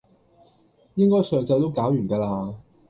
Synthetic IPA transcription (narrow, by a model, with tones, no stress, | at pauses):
jɪ˥ŋkɔː˥jsœː˨˩ŋt͡sɐ˧jt̪o˥wkaː˨˥wjyː˨˩kaː˧laː˧